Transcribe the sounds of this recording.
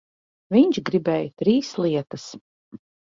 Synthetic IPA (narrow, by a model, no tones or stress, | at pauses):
viɲt͡ʃɡɾibɛːjt̪ɾiːslˠiɛt̪ɐs